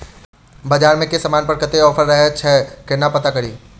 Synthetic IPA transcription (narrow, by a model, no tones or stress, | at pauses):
bɐd͡ʒaːɾmẽkesɐmaːnpɐɾkət̪eɔːfʰəɾːɐɦet͡ʃʰɛːkɪnapɐt̪akɐɽiː